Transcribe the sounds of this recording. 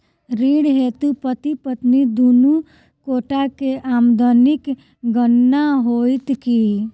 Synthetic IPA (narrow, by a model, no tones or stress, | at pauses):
ɾiːɽɦeːt̪upət̪ipət̪nid̪unu | koːʈakeʔaːmd̪ɔnɪk | ɡənːaɦoːɪt̪ki